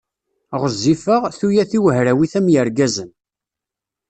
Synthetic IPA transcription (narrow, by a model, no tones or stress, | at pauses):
ʁəzːifəʁθujæθiwəɦɾæwiθæmjəɾɡæzən